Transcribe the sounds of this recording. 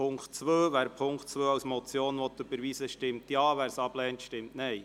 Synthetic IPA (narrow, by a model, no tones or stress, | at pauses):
ʊŋktt͡sʋøːʋæːɾpʰʊŋktt͡sʋøːɑwsmɔt͡sjoːnʋɔt̪ʉbəɾʋiːsəʃtɪmt̪jɑːʋæːɾsɑb̥lɛːnt̪ʃtɪmtnɛj